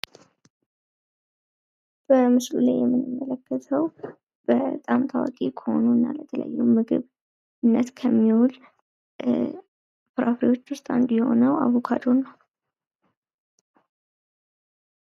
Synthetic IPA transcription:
b̥əmɨslulajːɛmːɨnːɨmːələkːət̪ʰəw | b̥ət̪ʼamt̪ʰawakʼekʰəho̞̰nunːalət̪ʰələ̰jːumɨɡɨ̰β | ɨnːət̪kʰəmːiul | bɨɾʔafɾiwo̞t͡ʃːwʊst̪ʼɨnd̪jɛho̞̰nəwa̰βo̞kʰad̪o̞ɾnəw

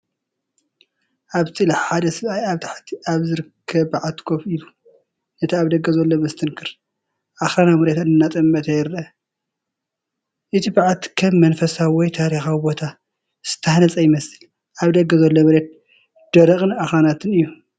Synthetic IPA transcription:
ʔaβt̪ʰɨlħad̪ɐsɨβajaβt̪ʰḁħt̪ʰiaβzɨɾɨkʰːɐβbaʕat̪kʰofilu | nɐt̪ʰiaβd̪ɐɡːɐzɐlːomɐst̪ʰɨnkʰɨɾ | ʔaxɾanamɨɾet̪ɨnɨnːat̪ʼɐmːɐt̪ʰɐjɪɾɐɐ | ʔɨt̪ʰibaʕat̪kʰɐmːɐnfɐsawɔjt̪ʰaɾixawibo̞t̪ʰa | z̥ɨ̥t̪ʰːɐħnɐt͡sʼɐjɪmɐsɨl | ʔaβd̪ɐɡːɐzɐlːomɨɾet̪̚ | d̪̥ɐɾɐχʼɨnaxɾanat̪ʰɨnɨjːu

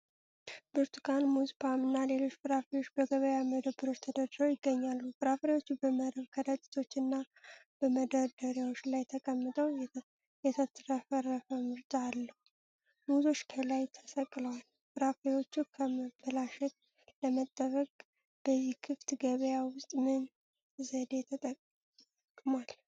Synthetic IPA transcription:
bɨɾt̪ʰukʰanmuzpʰamɨnːale̞lo̞t͡ʃːbɨɾafɾejo̞t͡ʃːbəɡəβəjaməd̪əbɨɾo̞t͡ʃt̪ʰəd̪əd̪ɾəwjɪɡːəɲːalːubɨɾafɾewo̞t͡ʃːubəməɾəβkʰəd̪ət͡ʃʼi̥t̪ʰo̞t͡ʃːɨnːa | b̥əməd̪əɾd̪əɾjawot͡ʃːlajt̪ʰəkʼəmːɨt̪ʼəw | jɛt̪ʰət̪ɾəfəɾəfəmɨɾt͡ʃʼaːlːəhu | muzo̞t͡ʃːkʰəlajt̪ʰəsəkʼːləwal | b̥ɨɾafɾewo̞t͡ʃːukʰəməbəlaʃɛt̪̚ | ləmət̪ʼːəβəkʼ | b̥əzːihkʰɨft̪ɡəβəjawʊst̪ʼmɨn | zəd̪e̞t̪ʰət̪ʼəkʼ | kʼmal

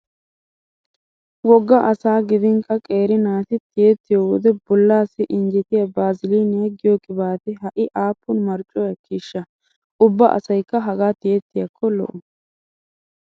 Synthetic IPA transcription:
wɔɡːɐʔɐsaːɡɪd̪ɪŋkʰːɐkʼe̞ːɾɪnaːt̪ɪt̪ɪjɛt̪ːɪjowɔd̪ɛbɔlːaːsːɪʔɪnd͡ʒɪt̪ɪjɐbaːzɪliːnɪjɐɡɪjɔkʼɪbaːt̪ɪɦɐʔɪʔaːpːʊnmɐɾt͡ʃʼɔjɐkiːʃːɐ | ʔʊbːɐʔɐ̰sɐjkːɐɦɐɡaːt̪ɪjɛt̪ːɪjɐkʰːɔlɔ̰ʔʊ

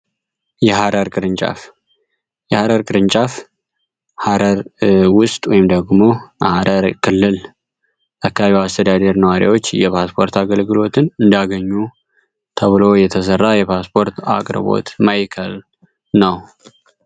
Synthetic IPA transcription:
jɛɦaɾəɾkʼɨɾɨnt͡ʃʼa̰f | jɛhaɾəɾkʼɨɾɨnt͡ʃʼaf | haɾʔəɾwʊst̪ʼwɔ̰jɪmd̪əɡmo̞haɾəɾkʰɨlːɨl | ʔakːaβiwast̪ʰəd̪ad̪əɾnəwaɾj̰a̰wo̞t͡ʃːjɛpʰaspʰo̞ɾt̪ʰaɡəlɡɨlo̞t̪ʰɨnɨnd̪aɡəɲːu | t̪ʰəβɨlo̞jɛt̪ʰəs̬ərːajɛpʰaspʰo̞ɾt̪a̰kʼɾɨβo̞̰t̪majkʰəl | nəw

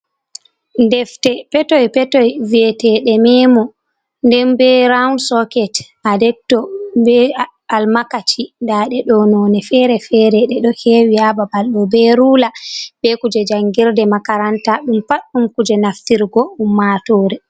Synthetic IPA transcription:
ndɛftɛpɛtɔjpɛtɔjviɛtɛɗɛmɛːmɔ | ndɛmbɛɾawnsɔkɛt | adɛk̚tːɔbɛ | almakat͡ʃindaɗɛɗɔnɔnɛfɛɾɛfɛɾɛɗɛɗɔhɛwihababalɗɔbɛɾulabɛkud͡ʒɛd͡ʒaŋɡiɾdɛmakaɾantaɗumpaɗːumkud͡ʒɛnaftiɾɡɔumːatɔːɾɛ

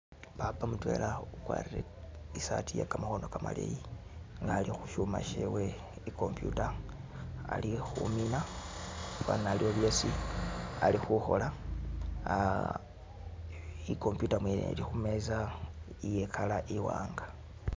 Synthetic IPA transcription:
papamutwe̞lʔaukwa̰ːriɾe | isatijakamaxo̞no̞kama̰lḛjiŋɡaːlixuʃuma̰ʃḛwe̞ | iko̞mpjṵtaː | lixṵmina | βa̰nalioβjo̞ːsi | alixuxo̞̰la | iko̞mpjutamwinḛlixumeza | ijekʰalaʔiwaːŋɡḁ

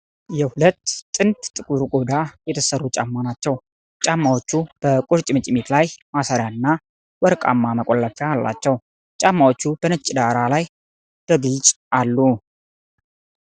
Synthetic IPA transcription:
jɛhulət̪ːʼɨnt̪ʼt̪ʼːɨkʼuɾuɡʼo̞d̪ajɛt̪ʰəsərːut͡ʃʼa̰mːanat͡ʃːɛw | t͡ʃʼamːawot͡ʃːub̥əkʼoɾt͡ʃʼɪmɨt͡ʃʼɪmet̪lajmasaɾjaɨnːa | wɔɾkʼa̰mːaməkʼolːəfɛalːa̰t͡ʃːɛw | t͡ʃʼamːawot͡ʃːubənət͡ʃʼːd̪aɾalaj | d̪̥əɡɨlt͡ʃʼ | alːu

